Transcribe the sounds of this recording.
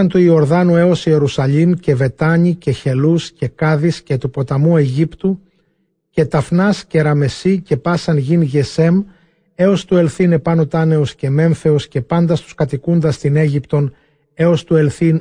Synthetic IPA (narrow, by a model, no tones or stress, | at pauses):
ɐnt̪uio̞ɾðɐnue̞o̞sie̞ɾusɐʎimce̞ve̞t̪ɐɲiceçe̞lusce̞kɐðisce̞t̪upo̞t̪ɐmue̞ʝipt̪u | ce̞t̪ɐfnɐsce̞ɾɐme̞sice̞pɐsɐnʝinʝe̞se̞m | e̞o̞st̪ue̞lθine̞pɐnot̪ɐne̞osce̞me̞ɱfe̞osce̞pɐnd̪ɐst̪u̥skɐt̪ikund̪ɐst̪ine̞ʝipt̪o̞n | e̞o̞st̪ue̞lθin